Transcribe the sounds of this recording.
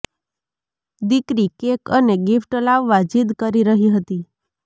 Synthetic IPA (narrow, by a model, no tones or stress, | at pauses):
d̪ikɾikekəneɡifʈəlaʋːad͡ʒid̪kəɾiɾəɦiɦət̪i